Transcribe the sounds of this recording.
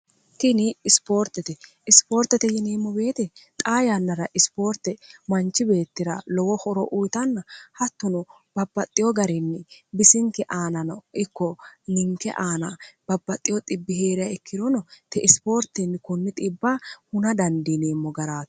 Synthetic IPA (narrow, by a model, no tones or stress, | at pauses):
t̪ɪnɪːspo̞ːɾt̪ɛt̪ɛ | ɪspo̞ːɾt̪ɛt̪ɛjɪneːmːɔbe̞ːt̪ɛt̪ʼaːjanːɐɾɐʔɪspo̞ːɾt̪ːɛmɐnt͡ʃːɪbe̞ːt̪ːɪɾɐ̰lɔwɔhɔɾɔʔujt̪ɐnːɐhɐt̪ːʊnʊ | b̥ɐbːɐt̪ʼːɪjɔɡɐɾɪnːɪbɪsɪŋkɛʔaːnɐnɔɪkːɔnɪŋkɛ̰ʔaːnab̥ɐbːɐt̪ʼːɪjɔt̪ʼɪbːɪhe̞ːɾɪjɐɪkʰːɪd̪ɔnɔt̪ɛʔɪspo̞ːɾt̪ɪnːɪkʊnːɪt̪ʼɪbːaːhʊnɐd̪ɐnd̪ineːmːɔɡɐɾaːt̪